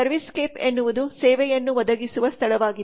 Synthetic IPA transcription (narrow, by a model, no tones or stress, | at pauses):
ɐɾʋiskeːpenːuʋud̪usɛːʋɛjɐnːuʋɐd̪ɐɡisuʋɐst̪ʰɐɭɐʋaːɡid̪